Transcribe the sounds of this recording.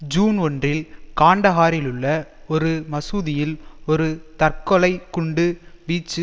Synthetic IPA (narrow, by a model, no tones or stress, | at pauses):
d͡ʒuːnɔndrɪlkaːɳɖɐɣaːɾɪlɯɭːɐ | ɔɾɯmɐsuːðɪjɪlɔɾɯt̪ɐrkɔlɐɪkʊɳɖɯbiːt͡ʃːɯ